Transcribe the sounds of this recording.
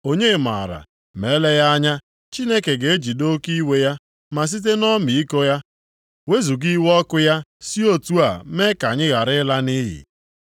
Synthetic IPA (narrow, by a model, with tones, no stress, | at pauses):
o˨ɲe˦˨ma̰˨ɾa̰˨ | me˨˦le˦ja˦ɲa˦ | t͡ʃi˦ne˦ke˨ɡe˨e˦d͡ʒi˨do˦ki˦we˦ja˦ | ma˨s̬i˦t̬e˦nɔ˦mi˨i˦ko˦ja˦ | we˦zu˨ɡi˦wɔ˦kʊ˦ja˦si˦o˦tu˦a˨me˦ka˨ɲɪ˦ɣa˨ɾɪ˦la˦ni˦ɦɪ̰˨